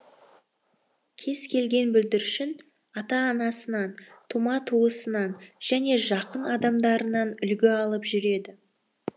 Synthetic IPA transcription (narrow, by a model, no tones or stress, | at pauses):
kʲʰe̞zkʲʰe̞lɡʲe̞nbʏld̪ɪɾʃɪn | ɑt̪ɑːnɑsənɑnt̪ʰumɑt̪ʰuəsənɑnʒ̥æne̞ʒɑqənɑd̪ɑmd̪ɑɾənɑnʏlɡʲɪɑlˠəpʒʏɾe̞d̪ɪ